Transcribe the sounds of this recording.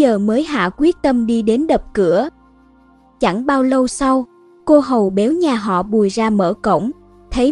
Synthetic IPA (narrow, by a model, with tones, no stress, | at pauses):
əː˨˩məː˨˦jɦa̰ː˧˨kwi˦˥ət̚t̪ə˧mɗi˧ɗe˨˦nɗə˨˩p̚kɨ˧˩ə | t͡ɕa˧˥˩ŋɓaː˧wlə˧wsa˧w | ko˧ɦə˨˩wɓɛ˨˦wɲaː˨˩ɦɔ̰˧˨ɓu˨˩əjzaː˧mə̰ː˧˩kə̰˧˨wŋ͡m | t̪ʰə˨˦